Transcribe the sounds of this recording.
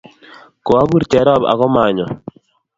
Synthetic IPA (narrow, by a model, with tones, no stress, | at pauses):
kɔ˨a˦bu˦ɾt͡ʃɛ˨ɾɔ˦˨ba̰˨kɔ˦ma˨ɲɔ˨